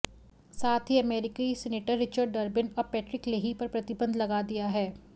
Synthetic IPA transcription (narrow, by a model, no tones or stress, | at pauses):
saːt̪ʰɦiɐmɛːɾɪkisɛːneːʈəɾːɪt͡ʃəɾɖːɐɾbɪnɔːɾpɛːʈɾɪkleːɦipɐɾpɾɐt̪ɪbə̃nd̪lɐɡaːd̪ijaɦɛː